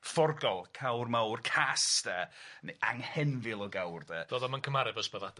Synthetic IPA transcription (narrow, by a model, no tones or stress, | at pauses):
fɔrɡɔlˠkʰawrmawrkʰastɛniʔaŋhɛnvɪlˠɔɡawrdɛd̥ɔðɔmankʰəmaɾɛvɔsbəðad